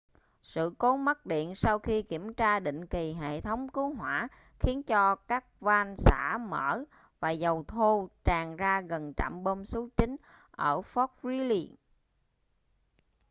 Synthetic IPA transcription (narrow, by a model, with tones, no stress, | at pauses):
sɨ̰˧˨ko˨˦mə˦˥k̚ɗḭ˧˨ənsa˧wxi˧ki˧˩əmt͡ɕaː˧ɗḭ̈˧˨ŋ̟ki˨˩ɦḛ˧˨t̪ʰə˨˦wŋ͡mkɨ˨˦ɦwaː˧˩˨ | xi˨˦ənt͡ɕɔ˧kaː˦˥k̚va˧nsa̰ː˧˩mə̰ː˧˩ | vaː˨˩zə˨˩wt̪ʰo˧t͡ɕaː˨˩ŋzaː˧ɣə˨˩nt͡ɕa̰˧˨mɓo˧msu˨˦t͡ɕï˨˦ŋ̟ | ʔəː˧˩fɔ˦˥k̚ɹi˨˦li˧